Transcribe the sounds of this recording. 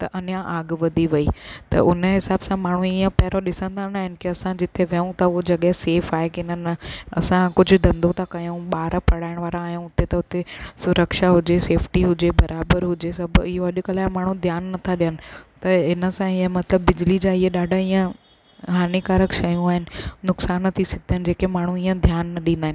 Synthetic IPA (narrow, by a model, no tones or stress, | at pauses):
t̪ɐʔɐnjãʔaːɡʋɐd̪ʱiʋɐit̪ɐ̰ʔʊnəɦɪsaːbsãmaːɳ̤̃ũiːə̃pɐɦɪɾoɗɪsə̃nd̪aːnaːɦɪnɪ̆keɐsãd͡ʑɪt̪eʋɐũt̪ʰɐʊɦod͡ʑɐɠɛɦseːfaːɦekeɪnənɐ̰sãkʊd͡ʑʱʊ̆d̪ɐ̃nd̪ot̪ʰakɐjũɓaːɾpɐɽaːɪɽ̃ʋaːɾãːɦjũʊt̪et̪ɐʊt̪esʊɾəkʃaɦʊd͡ʑeseːfʈiɦʊd͡ʑebɐɾʔaːbəɾɦʊd͡ʑesɐbɪɦoɐʄʊkəlaːɪmaːɳ̤ũd̪ʱjaːnːɐt̪ʰaɗijənɪ̆t̪ɐɪnəsãɪə̃mɐt̪ləbːɪd͡ʑlid͡ʑaːɪəɗaːɖʱaiːə̃ | ɦaːnikaːɾəkʃɐjũaːɦɪnɪ̆nʊksaːnːɐt̪ʰisɐɡɪd̪ʱənɪ̆d͡ʑeːkemaːɳ̤ũiːə̃d̪ʱjaːnːɐɗĩːnd̪aːɦɪn